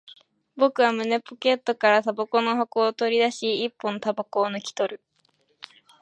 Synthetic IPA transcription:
bo̞kɯ̟βamɯ̟ne̞poke̞t̪ːo̞kaɾat̪abako̞no̞ɦokoːt̪o̞ɾʲid̪aɕiːpːõnt̪abako̞ːnokʲi̥t̪o̞ɾɯ̟

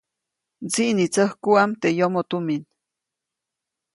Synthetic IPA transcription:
t͡siʔnit͡səhkuamt̪ejomot̪umin

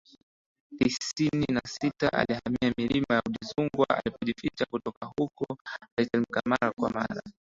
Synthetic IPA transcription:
tisininasitaʔa̰lihamiamilimajauɗizuŋɡwaa̰lipɔʄifit͡ʃakutɔkahukɔatɛlimkamaɾakwama̰ɾa

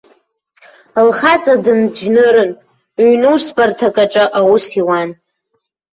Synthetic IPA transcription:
lχat͡sʼadɨnd͡ʒnɨɾɨn | ɥnuwsbartʰakʼaʈ͡ʂʼɨʔawusiwan

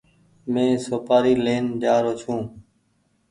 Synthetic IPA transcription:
mẽːsoːpaːɾiːleːnd͡ʒaːɾoːt͡ʃʰũː

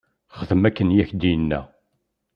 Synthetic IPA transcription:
χəðəmækːənjæçd̪iənːæ̰

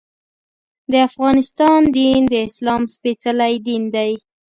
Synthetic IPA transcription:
d̪əafɣɑnɪst̪ɑnd̪ind̪əɪslɑmspet͡səlajd̪ind̪aj

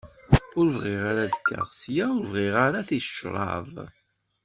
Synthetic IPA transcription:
ʊɾvʁiʁaɾad̪kːə̰ʁsjaʊɾvʁiʁaɾaθi̥ʃɾˤɑ̰ðˤ

